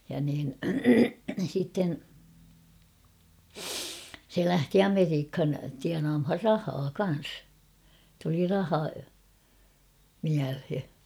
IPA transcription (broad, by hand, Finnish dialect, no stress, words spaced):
jɑ niːn sitːen se læhti ɑmeriːkhɑn tiɑnɑːmhɑr rɑhɑː kɑn̞s tuli rɑhɑ miælhe